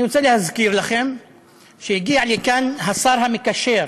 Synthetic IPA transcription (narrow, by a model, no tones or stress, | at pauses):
nsalihazkiːɾlaxem | ʃjɡiːʕlikanɦɑsˤɑːɾˤɦamɪkaʃeːɾ